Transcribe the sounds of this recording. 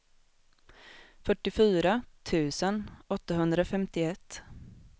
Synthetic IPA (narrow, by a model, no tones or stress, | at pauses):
fœʈːɪfyːɾat̪ʰʉ̟ːsənɔt̪ːaɦɵnd̪ɾaɔfɛmt̪ɪɛt̪ː